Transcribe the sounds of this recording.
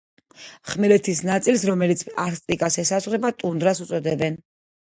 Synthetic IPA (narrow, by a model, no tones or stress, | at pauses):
χmɛlɛt̪ʰisnat̪sʼilsɾɔmɛlit̪sʰaɾst̪ʼikʼasɛsazʁɾɛbat̪ʼund̪ɾasut̪sʼɔd̪ɛbɛn